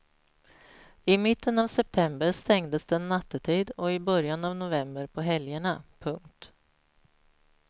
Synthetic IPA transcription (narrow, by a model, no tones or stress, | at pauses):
ɪmɪt̪ːənavsɛp̚t̪ʰɛmbəɾst̪ɛŋd̪əsd̪ɛːnːat̪ːət̪ʰiːd̪ɔɪbœɾjanavnʊvɛmbəɾpʰɔɦɛljəɳapʰɵŋkt̪